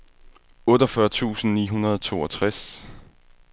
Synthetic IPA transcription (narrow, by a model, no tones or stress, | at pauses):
ɔ̽ːdɒfɶɐt͡sʰṵːsn̩nḭːɦunɐð̞ˠɒt͡sʰo̝̰ːɒt͡sʰʁas